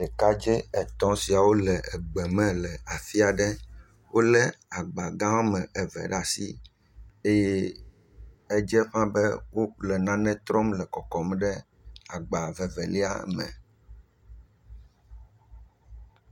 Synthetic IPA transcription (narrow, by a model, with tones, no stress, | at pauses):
ɖɛ˨ka˦d͡ʒɛ˦ɛ˨t̪ɔ̃˦si˨a˨wo˦lɛ˨ʔɛ˨ɡ͡bɛ˨mɛ̃˦lɛ˨a˨fi˦a˨ɖɛ˦ | wo˦lɛ˦a˨ɡ͡ba˨ɡã˦wo˦mɛ̃˨ɛ˨vɛ̰˨ɖa˨si˦ | e˦je˦ | ɛ˦d͡ʒɛ˦ɸã˦bɛ˦wo˦lɛ˨nã˦nɛ̃˦t̪ɾɔ˦mlɛ˨kɔ˨kɔ˨m˦ɖɛ˦ | a˨ɡ͡ba˨vɛ˨vɛ˨li˦a̰˦mɛ̰̃˨